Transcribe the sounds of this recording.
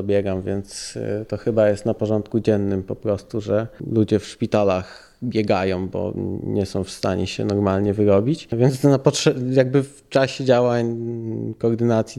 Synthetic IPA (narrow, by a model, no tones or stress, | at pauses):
ɔbʲjɛɡamvʲjɛnt̪st̪ɔxɘbajɛst̪napɔʐɔnt̪kud͡ʑɛnːɘmpɔpɾɔst̪uʐɛlud͡ʑɛfʂpʲit̪alax | bʲjɛɡajɔ̃w̃bɔ̰ɲɛsɔ̃w̃fst̪aɲɛɕɛ̰nɔɾmalɲɛvɘɾɔbʲit͡ɕvʲjɛnt̪snapɔtʂɛjaɡ̚bɘf | t͡ʂaɕɛd͡ʑawaɲ | kɔːɾd̪ɘnat̪sʲji